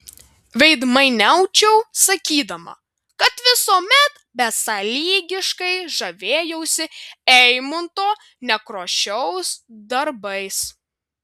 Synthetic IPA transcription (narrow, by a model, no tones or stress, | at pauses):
ʋʲɛɪd̪mɐɪnʲɛʊt͡ʃʲɛʊsɐkʲiːd̪ɐmɐ̰ | kɐt̪ʋʲɪsoːmʲɛt̪ | bʲɛsɐlʲiːɡʲɪʃkɐɪʒɐʋʲeːjɛʊsʲɪɛɪmʊnt̪oː | nʲɛkɾoːʃʲɛʊsd̪ɐɾbɐɪs